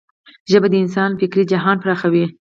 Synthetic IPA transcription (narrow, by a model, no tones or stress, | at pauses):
ʒəbad̪əɪns̬ɑnfɪkɾid͡ʒaɦɑnpɾɑxawi